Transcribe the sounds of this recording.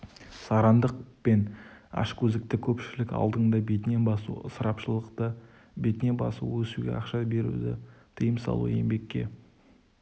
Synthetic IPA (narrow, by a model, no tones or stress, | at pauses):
sɑɾɑnd̪əq̚pe̞nɑ̰ʃkʲʰɵzɪk̚t̪ɪkʲʰɵpʃɪlɪkɑ̰lˠd̪əɴd̪ɑbe̞t̪ne̞bɑsṵsəɾɑpʃəlˠəqt̪ə | be̞t̪ɪnebɑ̰sṵwɵsuɡʲḛɑqʃɑbe̞ɾṵd̪ɪ̰t̪ʰəjəmsɑ̰lˠṵe̞mbe̞kʲːe̞̰